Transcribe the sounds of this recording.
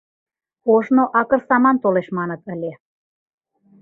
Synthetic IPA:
oʃnoʔɑkə̆rsɑmɑnt̪oleʃmɑnət̪ə̆lʲe

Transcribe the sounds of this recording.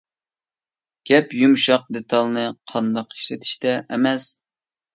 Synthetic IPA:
ɡ̥ʲɛpjumʃɑq̚d̪et̪ʰɑlˠnɨqʰɑnd̪ɑqi̥ʃlɪt̪ʰi̥ʃt̪ʰɛʔɛmɛs

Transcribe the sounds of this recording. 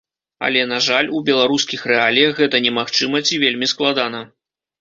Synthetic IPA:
a̰lʲɛnaʐalʲubʲɛlˠaɾuskʲixrɛalʲijɐxːɛt̪ɐnʲɛmaxt͡ʂɨmɐt͡sʲivʲelʲmʲisklˠad̪anɐ

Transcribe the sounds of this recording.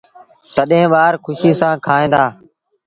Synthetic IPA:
t̪əɗẽːɓaːɾkʰʊʃiːsãːkʰaːẽːd̪aː

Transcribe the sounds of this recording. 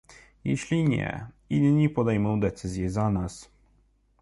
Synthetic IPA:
jiʃlʲinʲɛ̰ | ininʲipɔd̪ɛjmɔwd̪ɛt̪sɛzjɛzanas

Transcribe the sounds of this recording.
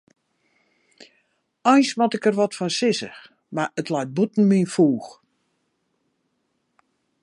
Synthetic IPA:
ɔjnsmɔtɪkərʋɔtfɔnsɪsə̰x | maətlajt̚butn̩minfuːx

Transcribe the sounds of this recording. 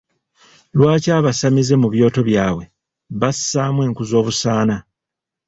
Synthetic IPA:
lwaːcaːβasamize̞muβjo̞ːto̞βjaːβwe̞ | βasːaːmwe̞ːŋkuzo̞ːβusaːna

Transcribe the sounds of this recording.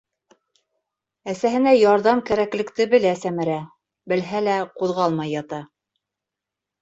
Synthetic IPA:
æsæɦɘ̆næjɑɾðɑmkæɾæklɘ̆kt̪ɘbɘ̆læsæmɘ̆ɾæ | bɘ̆lɦælæquðʁɑlˠmɑjːɑt̪ɑ

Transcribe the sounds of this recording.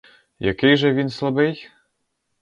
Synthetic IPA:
jɐ̰kɪjʒɛʋʲinslˠɐbɪj

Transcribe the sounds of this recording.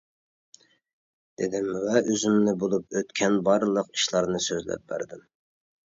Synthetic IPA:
d̪̥ed̪ɪmwɛʔøzymnɪbolˠup̚øt̪kʲʰɛnbɑɾlˠəqi̥ʃlˠɑɾnɨsøzlɛ̰p̚bæ̰ɾd̪ɪm

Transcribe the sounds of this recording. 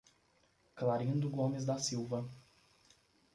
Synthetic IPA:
klaɾĩnd̪ʊɡomɪzd̪ɐsiwvɐ

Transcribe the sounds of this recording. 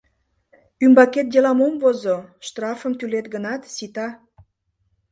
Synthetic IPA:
ymbɑket̪̚d̪elɑmomvozoʃt̪rɑfə̆mt̪ylet̪ɡənɑt̪sit̪ɑ

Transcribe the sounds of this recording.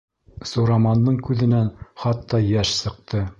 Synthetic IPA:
suɾɑmɑnd̪ɤɴkʉðɘ̆nænχɑt̪ːɑjæʃsɤ̆q̚t̪ɤ

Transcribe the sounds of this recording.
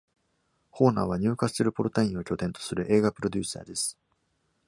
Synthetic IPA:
ho̞ːna̰ːβ̞aɲ̟ɨːkasɨ̥t̪eɾɯ̟poɾot̪aĩɰ̃o̞kʲo̞t̪ẽ̞nt̪o̞̥sɨɾɯ̟ʔe̞ːɡapɯ̟ɾo̞d̪ʲɨːsa̰ːd̪e̞sɨ̥

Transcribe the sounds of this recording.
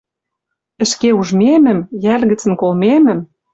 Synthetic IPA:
ə̆ʃkeuʒmemə̆mjælɣə̆t͡sə̆nkolmemɘ̆m

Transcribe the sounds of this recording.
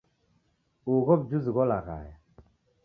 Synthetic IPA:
uɣɔb̚d͡ʒuzɡɔlaɣa̰ːja

